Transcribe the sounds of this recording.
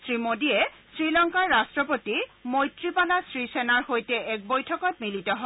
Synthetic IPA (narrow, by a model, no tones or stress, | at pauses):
sɹimodijɛsɹilɔŋkaɹːastɹɔpotimojtɹipalasɹisenaɹhojtɛʔɛk̚bojtʰɔkɔt̚militɔɦɔ